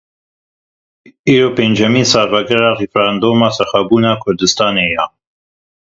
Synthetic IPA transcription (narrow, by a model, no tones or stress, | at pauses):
iːɾopeːnd͡ʒɛmiːnsɑːɾvɑɡɛɾɑrifɾand̪oːmɑsɛxɑbuːnɑkʰʊɾd̪ɨst̪ɑːneːjɑ